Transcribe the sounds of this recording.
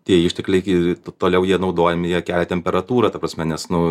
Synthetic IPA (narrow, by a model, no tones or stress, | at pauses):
t̪ʲiɛɪʃʲtʲɛklʲɛɪɪt̪t̪oːlʲɛʊjiɛnɐʊd̪oːjɛmʲɪjiɛkʲæːlʲɛt̪ʲɛmʲpʲɛɾɐt̪uːɾɐt̪ɐprɐsʲmʲɛnʲɛsnʊ